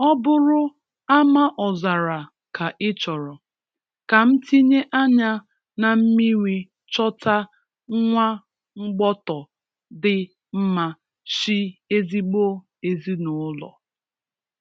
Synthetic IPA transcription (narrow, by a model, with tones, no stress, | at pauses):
ɔ˦bʊ˦ɾʊ˦ | a˦ma˦ʔɔ˨za˨ɾa˨ | ka˨ʔɪ˦t͡ʃɔ˨ɾɔ˨ | ka˨m̩˦ti˦ɲe˦ʔa˦ɲa˦ | na˨m̩˦mi˦ŋʷi˨ | t͡ʃɔ˦ta˦ | ŋ̩˦ŋʷa˦ | ŋ͡m̩˦ɡ͡bɔ˦tɔ˨ | dɪ˦ | m̩˦ma˦ | si˦e˦zi˦ɡ͡bo˦ | e˨zi˦nʊ˨ʊ˦lɔ̰˨